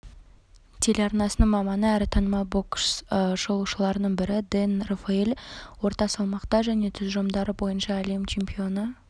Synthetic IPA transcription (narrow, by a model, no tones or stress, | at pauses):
t̪ʲʰe̞leɑɾnɑsənəɴmɑmɑnəæɾɪt̪ʰɑnmɑboksʒ̥o̞lˠuʃəlˠɑɾənəɴbɪɾɪd̪enrofeelʲwo̞ɾt̪ɑsɑlˠmɑqt̪ɑʒæne̞t̪ʰʏzʒomd̪ɑɾəbo̞jənʃɑːle̞mt͡ʃʰe̞mpio̞nə